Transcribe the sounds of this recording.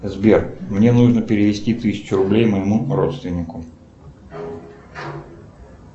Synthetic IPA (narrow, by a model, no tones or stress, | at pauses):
zbʲermnʲe̞nuʐnəpʲɪɾʲɪvʲɪsʲtʲit̪ɨsʲɪ̥t͡ɕʊɾʊblʲejməjɪmuɾo̞t̪st̪vʲɪnʲːɪkʊ